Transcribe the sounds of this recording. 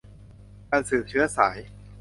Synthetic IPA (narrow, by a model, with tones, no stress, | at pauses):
kaː˧nsɯː˨˩t͡ɕʰɯ˦˥ɐsaː˩˦j